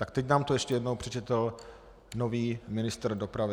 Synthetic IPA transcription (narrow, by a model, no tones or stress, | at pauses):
t̪akt̪ɛcnaːmt̪ojɛʃcɛjɛdnowpr̝̥ɛt͡ʃɛt̪l̩ | no̞viːmɪnɪst̪r̩do̞pɾavɪ